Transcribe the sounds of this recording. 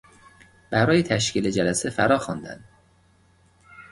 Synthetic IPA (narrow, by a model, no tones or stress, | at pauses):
b̥æɾɒːjet̪ʰæʃciːled͡ʒælæsefæɾɒːxɒnd̪æ̰nd̪